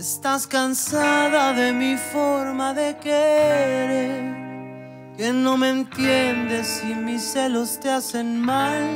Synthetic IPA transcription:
est̪askansaðaðe̞mifo̞ɾmaðe̞keɾeɾ | ke̞no̞me̞nt̪je̞nd̪e̞simisːe̞lo̞st̪ease̞nmal

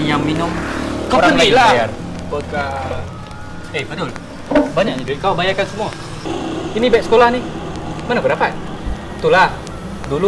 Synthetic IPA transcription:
jaŋminʊmkaɾaŋnalajar | bot̪̚ka | ehbadʊl | baɲak̚ɲad͡ʒukalabajakansəmua | inibɛʔsə̥kolahnɪhmanabəɾapa | t̪ulah | dulu

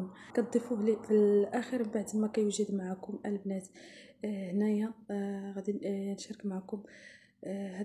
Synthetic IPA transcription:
nkænd̪ˤifuhlifilʔæxəɾmbaʕd̪mækæjuwʒəd̪maʕakʊmʔælbnæt̪ | hnæjæɣæd̪inʃɾəkmaʕakʊm | hæ

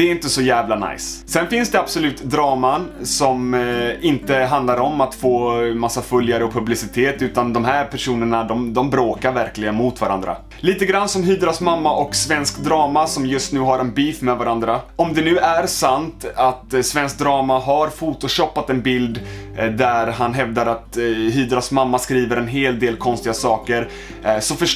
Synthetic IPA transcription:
d̪ɛɪnt̪əsɔjæːvlana̰jssɛnfɪnsd̪ɛab̥sɔlʉ̟ːt̪d̪ɾɑːmansɔmɪnt̪əɦand̪laɾɔmat̪foːmasːafɵljaɾəɔpʰɵblɪsɪt̪ʰeːt̪ʉ̟ːt̪and̪ɔmhæːɾpʰæʂuːnəɳad̪ɔmd̪ɔmbɾoːkaɾvæɾklɪɡənmʊt̪vaɾʔa̰nd̪ɾa̰ | liːt̪əɡɾanːsɔmɦyːd̪ɾɔsmamːaʔɔksvɛnskd̪ɾɑːmasɔmjɵst̪nʉ̟ːɦaɾɛnbiːfmɛvaɾand̪ɾaɔmd̪ɛnʉ̟ːæɾsant̪at̪svɛnsk̚d̪ɾɑːmaɦaɾfuːt̪ʊɕɔpːat̪ɛnbɪld̪d̪æɾɦanɦɛvd̪aɾat̪ɦyːd̪ɾɔsmamːaskɾiːvəɾɛnɦeːld̪eːlkʰɔnst̪ɪɡasɑːkəɾ | sɔfœʂ

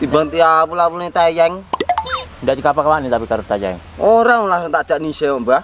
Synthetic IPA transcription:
t̪ibaŋt̪iabulabulnit̪ad͡ʒaŋ | ndaʔdikapakawanit̪apikaɾust̪ad͡ʒa̰ŋ | oɾaŋlaŋsʊŋt̪aʔt͡ʃaʔnisɛoʔba

